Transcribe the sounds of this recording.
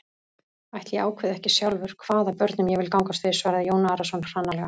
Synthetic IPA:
ajht̪ljɛaːwkʰvɛðɛhcɪsjawlvʏɾ̥kʰvaːðapœɾt̪nʏmjɛvɪlkawŋkast̪vɪ̥svaːɾɪðjoːwnaaːɾasɔnr̥anːalɛɣa

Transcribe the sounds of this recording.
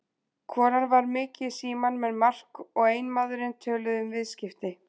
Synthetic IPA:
kʰɔːɾanvaɾmɪːcɪsiːmanmɛðmar̥kɔɣeːjnmaðʏɾɪnt̪ʰœːlʏðʏmvɪðscɪft̪ɪ

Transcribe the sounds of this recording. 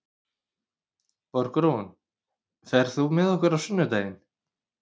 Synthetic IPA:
pɔɾkɾon | fɛɾ̥θumɛðɔhkʏɾawsʏnːʏt̪ajɪn

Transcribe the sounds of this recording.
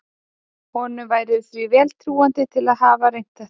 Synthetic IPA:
hɔnʏvaːjɾɪðθɾivɛːlt̪ʰɾuːant̪ɪt̪ʰɪlaðɦaːvaɾejn̥t̪ḁ

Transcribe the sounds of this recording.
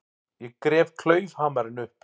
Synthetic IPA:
jɛkɾɛːvkʰl̥œːɥvhaːmaɾɪnʏhp

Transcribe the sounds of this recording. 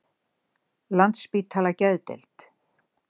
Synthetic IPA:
lant̪spiːt̪ʰaːlacɛðt̪ḛlt̪

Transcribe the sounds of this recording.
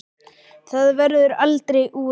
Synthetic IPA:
θaðvɛɾðʏɾalt̪ɾejʔuː

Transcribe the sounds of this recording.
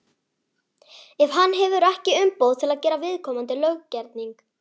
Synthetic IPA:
ɛv̥ɦanːɦɛvʏɾɛhcɪʏmpowðt̪ʰɪlaðcɛːɾavɪðkʰɔːmant̪ɪlœɣcɛɾt̪niŋk

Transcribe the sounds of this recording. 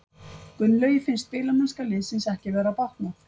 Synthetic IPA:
kʏnːlœɥjɪfɪnst̪̚pɪːlamanskalɪðsɪnsɛhcɪvɛːɾapawht̪na

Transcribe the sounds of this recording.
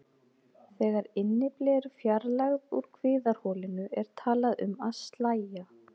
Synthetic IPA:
θɛːɣaɾɪnːɪplɛːɾʏfjaɾlaɣðuɾ̥kʰvɪːðaɾ̥hɔːlɪnʏʔɛɾ̥t̪ʰaːlaðʏ̰maðst̪laːja

